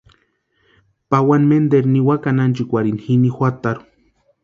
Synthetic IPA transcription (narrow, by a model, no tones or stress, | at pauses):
pawanmend̪eɾniwakanant͡ʃikʷaɾinhinixʷat̪aɾu̥